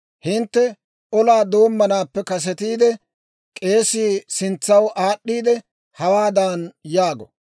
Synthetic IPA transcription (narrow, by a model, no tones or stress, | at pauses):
hɪnt̪ːɛ | ʔɔlaːd̪o̞ːmːɐnaːpːɛkɐs̬ɛt̪iːd̪ɛ | kʼe̞ːsiːsɪnt͡sːɐwaːɗːiːd̪ɛ | hɐwaːd̪aːnjaːɡɔ̰